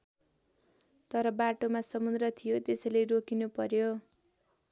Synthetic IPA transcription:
t̪ʌɾʌbaʈomasʌmund̪rʌt̪ʰijot̪esʌleɾokinupʌɾjo

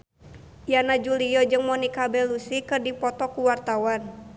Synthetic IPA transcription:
janad͡ʒuliɔd͡ʒɨŋmɔnikabɛlusikɨrdipɔt̪ɔkuwart̪awan

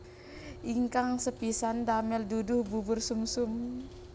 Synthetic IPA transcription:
ʔiŋkaŋsəpisandamɛldudʊhbubʊrsumsʊm

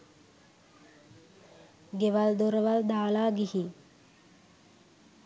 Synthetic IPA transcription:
ɡeʋald̪oɾəʋald̪aːlaːɡihi

